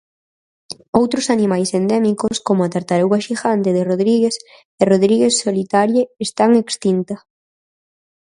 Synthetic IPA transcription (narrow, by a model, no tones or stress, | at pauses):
owt̪ɾʊsanimajsend̪ɛmikoskomʊat̪aɾt̪aɾuɣaʃiɣant̪eðeroðɾiɣes | eroðɾiɣessolit̪aɾjeːst̪aŋekst̪int̪a